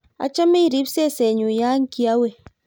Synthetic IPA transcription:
a̰˨t͡ʃə˦mi˦˨ɾi˨˦p̚se˦˨se˨ɲu˨ja˦ŋ̩˦ki˦a˦we˨

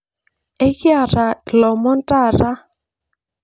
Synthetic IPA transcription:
e˦kja˦˨ɾa˨lɔ˨mɔ˦nta˦˨ɾa˦

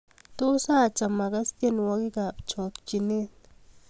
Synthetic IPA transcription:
t̪o˦sa˦˨t͡ʃa˨ma˨ɡa˦st̪ja˦nwa˦ɡi˦ɡa˨pt͡ʃo˨t̪t͡ʃi˨ni˦t̪

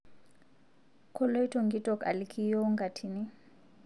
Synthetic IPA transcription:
kʰɔ˦lɔ˦i˦tʰɔ˨ŋɡi˦tʼɔ˨ka̰˨likʰi˦jɔ˦ŋɡa˨tʰini˦

